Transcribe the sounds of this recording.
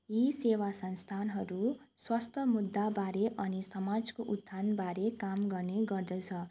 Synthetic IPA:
jisewasʌnst̪ʰanɦʌɾu | swast̪ʰʌmud̪ːabaɾeʔʌnisʌmad͡zkoʔud̪ʱːanbaɾekamɡʌrneɡʌrd̪ʌt͡sʰʌ

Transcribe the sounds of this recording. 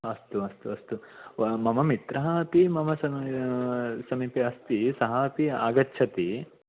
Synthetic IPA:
ɐst̪uɐst̪uɐst̪umɐmɐmit̪ɾɐɦɐɐpimɐmɐsɐ | sɐmiːpiɐst̪isɐɦɐːpiaːɡɐtːt͡ʃʰɐt̪i

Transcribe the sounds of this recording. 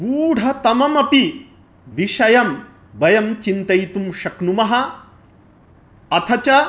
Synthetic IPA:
ɡuːɽ̤ʱɐt̪ɐmɐmɐpi | ʋiʂɐjɐm | bɐjɐmt͡ʃint̪ɐjt̪umʃɐknumɐɦɐ | ɐt̪ʰɐt͡ʃɐ

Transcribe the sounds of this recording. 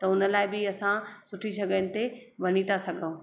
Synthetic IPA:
t̪ɐʊnə̆laːɪbɪɐsãsʊʈʰisɐɡʱənɪ̆t̪eʋɐnit̪ʰasɐɡʱəũ

